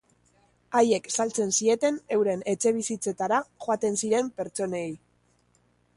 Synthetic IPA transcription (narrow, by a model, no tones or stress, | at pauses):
aje̞ksalt͡se̞nsie̞t̪e̞ne̞wɾe̞ne̞t͡ʃe̞β̞isit͡se̞t̪aɾaʝoat̪e̞nsiɾe̞mpe̞ɾt͡so̞ne̞j